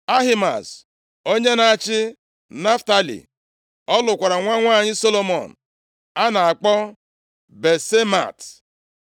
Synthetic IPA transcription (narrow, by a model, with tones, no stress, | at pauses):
a˦ɦɪ˦ma̰˨s | o˦ɲe˦na˨a˨t͡ʃɪ˦ | na˦fta˦lḭ˨ | ɔ˦lʊ˨kʷa˨ɾa˨ŋʷa˦ŋʷaː˦˨ɲɪ˦so˦lo˦mɔ̰˨n̩˨ | a˦na˨a˨k͡pɔ˦ | be˨se˦ma̰˨t